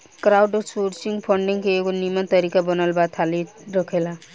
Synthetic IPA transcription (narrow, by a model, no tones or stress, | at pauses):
kɾawɖsoɾsiŋpʰʌɳɖiŋkeeɡonimʌnt̪ʌɾikabʌnalbat̪ʰali | ɾʌkʰela